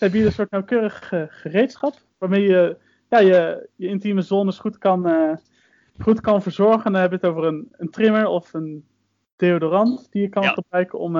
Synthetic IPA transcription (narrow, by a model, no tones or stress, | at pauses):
sɛbidədənsʊːɹtnawkøːrəχəχərejtsχɑp | ʋaːɹmejjə | jaːjəjəɪntiməzɔnəsχutkɑn | χutkɑnvəɹzɔɹχəndɑnɦɛbəətowvərənəntrɪməɹɔfən | d̥eodorɑntd̥ijəkɑnχəbrœɥkənɔ̰m